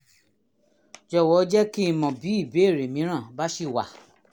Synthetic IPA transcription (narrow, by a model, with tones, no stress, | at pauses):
d͡ʒɔ˧˨wɔ˨˦d͡ʒɛ˦ki˦i˧mɔ̃˨bi˨˦i˦˨be˨˦e˦˨ɾe˨mĩ˨˦ɾ̃ã˦˨ba˦ʃi˦˨wa̰˨